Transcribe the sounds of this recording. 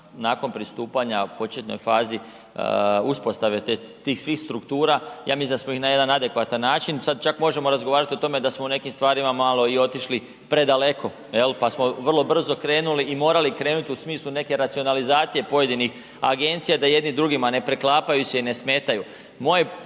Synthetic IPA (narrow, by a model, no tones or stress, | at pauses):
naːko̞npɾist̪uːpaɲapo̞t͡ʃet̪no̞̰jfaːzi | uspo̞st̪aʋet̪e | t̪iːxsʋiːxst̪ɾukt̪uːɾajaːmislind̪asmo̞ixnaje̞d̪anad̪e̞kʋat̪anːaːt͡ʃinsad̪̚t͡ʃakmo̞ʒe̞mo̞ɾazɡo̞ʋaːɾat̪io̞t̪o̞me̞d̪asmoune̞kimst̪ʋaːɾimamalˠo̞io̞t̪iʃli | pɾe̞d̪ale̞kʰo̞ | je̞lpasmo̞ʋrlˠo̞br̩zo̞kɾe̞ːnuliːmo̞ːɾalikɾeːnut̪iusmiːslˠune̞ke̞ɾat̪sio̞nalizaːt̪sije̞po̞je̞d̪inix | a̰ɡe̞nt̪sijad̪aje̞d̪nid̪ɾuɡimane̞pɾeklˠaːpajuseine̞sme̞ːt̪aju | mo̞je